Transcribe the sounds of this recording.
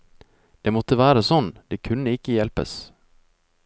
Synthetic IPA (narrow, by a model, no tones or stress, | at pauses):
d̪̥ɛmɔt̪ːəvæːɾasɔnːd̪̥ɛkʰɵnːəɪkːəjɛlpə̰s